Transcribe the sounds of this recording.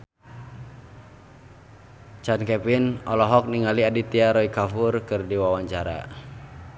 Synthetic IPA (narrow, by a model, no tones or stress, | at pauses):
t͡ʃankɛpinɔlɔɦɔk̚niŋaliadit̪iaɾɔikafurkɨrdiwawaɲt͡ʃaɾa̰